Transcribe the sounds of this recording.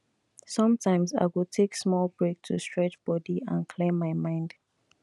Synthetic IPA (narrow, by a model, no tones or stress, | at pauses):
sʌ̃mtʰãɪ̃mza̰ɪwətʰeksmɔlbɹek̚tʰṵstɹ̥ɛt͡ʃb̥ɔdiã̰nkʰlẽmːaɪmãɪ̃nd